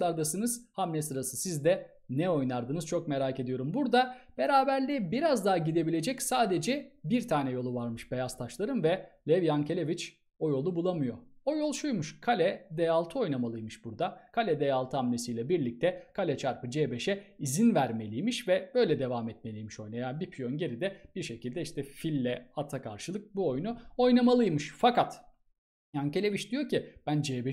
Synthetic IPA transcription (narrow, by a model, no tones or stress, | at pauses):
aɾd̪asɯnɯz̥hamnʲɛsɯɾasɯsizd̪ɛ | nɛo̞jnaɾd̪ɯnɯz̥t͡ʃʰo̞k̚me̞ɾaːce̞d̪ijo̞ɾumbuɾd̪ab̥e̞ɾaːbæɾlʲɛbiɾazd̪aɦaɟid̪e̞bilʲe̞d͡ʒɛcsaːd̪e̞d͡ʒɛbiɾt̪ʰaːnɛjo̞lˠuvaɾmɯʃbe̞jast̪ʰaʃlˠaɾɯmvɛlʲɛvjancʰe̞lʲe̞vit͡ʃ | o̞jo̞lˠubulˠamɯjo̞o̞jo̞lˠʃujmuʃkʰalʲɛd̪ejalˠt̪ʰɯo̞jnamalˠɯjmɯʃbuɾd̪akʰalʲɛd̪ejalˠt̪ʰɯamnʲesijlʲɛbiɾlʲic̚t̪ʰɛkʰalʲɛt͡ʃʰaɾpɯd͡ʒeːbeʃɛizinvæɾme̞lʲijmiʃvɛbø̞jlʲɛd̪e̞vaːmɛt̪̚me̞lʲijmiʃo̞jnajanbipʰjonɟe̞ɾid̪ɛb̥iɾʃe̞cilʲd̪ɛiʃt̪ʰɛfilʲːɛat̪ʰakʰaɾʃɯlˠɯk̚buo̞jnuo̞jnamalˠɯjmɯʃfakat̪ | jance̞lʲevit͡ʃd̪ijo̞cib̥ænd͡ʒeːbɛ